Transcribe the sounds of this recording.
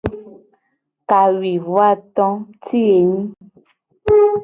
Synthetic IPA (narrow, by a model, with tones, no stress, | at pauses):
ka˨wi˨vwa˦t̪ɔ̃˦ti˦e˨ɲĩ˦